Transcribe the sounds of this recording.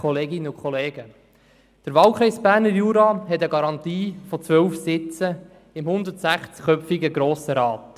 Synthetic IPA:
ɔleːɡɪnəʊkʰχɔleːɡ̥ə | d̪̥əɾʋɑlkʰɾɛɪsb̥æːɾnəɾjuːɾɑɦɛtəɡɑɾɑnt̪iːfɔt͡sʋœwfsɪt͡sə | ɪmhʊnd̪ətsæχt͡sχœpfiɡəɡɾoːsəɾɑːt

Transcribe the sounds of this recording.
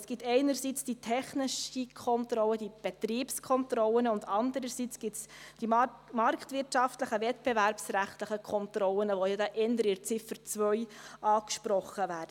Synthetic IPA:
sɡ̥ɪtɛɪnəɾsiːt͡sd̥itʰɛχnɪʃikʰɔntɾɔlːəd̥ib̥ɛt̪riːpskʰɔntɾɔlənʊndɑndəɾəsit͡sɡ̥ɪtsd̥imɑɾktvɪɾtʃɑftləχəvɛtb̥evæɾpsræχtləχəkʰɔnt̪ɾɔlənəʋojɑd̪ɛʔɛndəɾɪɾt͡sɪfəɾt͡svœʏʔɑːkʃpɾɔχːəvæːɾdə

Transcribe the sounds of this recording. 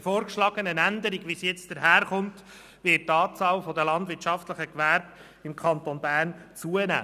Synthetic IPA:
fɔːɾkʃlɑːɡ̥ənənændəɾiɡʋisjɛt͡sd̪̥əɾɦæːɾχʊnt | ʋɪttːɑːt͡sɑːlfɔdəlɑnd̪vɪɾt͡ʃɑftləχəkʋæɾb̥ | ɪmkʰɑnt̪onbæːrnt͡suənæ̰ː

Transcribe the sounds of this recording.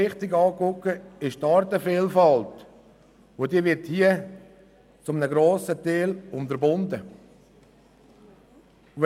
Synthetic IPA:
ɪχt̪ɪɡɑːkʊkːəɪʃtɑɾtəfiːlfɑlt | odiəʋɪɾthiə | t͡sʊmənəɡɾoːsəteːlʊntəɾbʊnd̪ə

